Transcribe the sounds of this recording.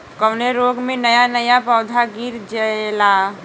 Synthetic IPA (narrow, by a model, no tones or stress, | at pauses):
kəʊneɾoːɡmẽnəjanəjapɔːd̪ʱaɡiɾd͡ʒəla